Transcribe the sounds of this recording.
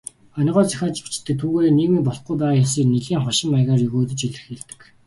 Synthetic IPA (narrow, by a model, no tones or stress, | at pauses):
ɔn̆ʲʁɔːt͡sæ̥xʲaːt͡ɕpu̥t͡ɕt̪ːɘ̆k̚t̪ʰːuːɣeːniːɣmiːpɔɮɞ̥̆χɡujpæːʁaːjɔsiːkneɮiːŋχɔʃɪ̆mːajʁaːrjɵɣoːt̪ɘ̆t͡ɕiɮɘ̆xeːɮt̪ɘ̥̆k